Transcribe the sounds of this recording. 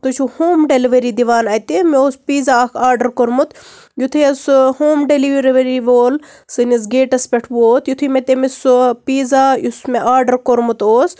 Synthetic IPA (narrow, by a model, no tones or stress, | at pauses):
t̪ut͡ʃʰuhoːmɖeliʋɐɾiːd̪iʋaːnɐjt̪emeoːspiːzaːkʰaːɾɖɐɾkoɾmut̪ | jut̪ʰeɐshoːmɖeliʋɐɾiʋɐɾiʋoːl | sɨnis̬ɡeːʈɐspʲeʈʰʋoːt̪jut̪ʰumet̪ʲemispiːzaːjusmeʔaːɾɖɐɾkoɾmut̪oːs